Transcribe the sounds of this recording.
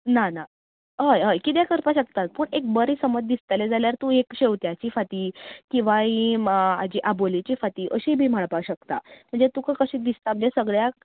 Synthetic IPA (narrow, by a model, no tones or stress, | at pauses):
nana | ɦəjəjkit̪̬jakəɾpaɕək̚t̪at̪̚pəːɳek̚bəɾiːsəməd͡zd̪ist̪əled͡zaljaɾt̪uɦekɕeʋt̪jat͡ɕiːfat̪iːkĩʋaɦĩad͡ʑiːʔabolit͡ɕiːfat̪iːʔəɕibʱiːm̤aɭpaɕəkt̪a̰m̤əɳd͡zet̪ukakəɕiːd̪ist̪am̤əɳd͡zesəɡɭja